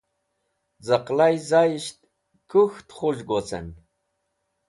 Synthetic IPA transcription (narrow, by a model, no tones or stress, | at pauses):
zəqlajzajʃt̪ | kuxt̪χuʒɡot͡sə̰n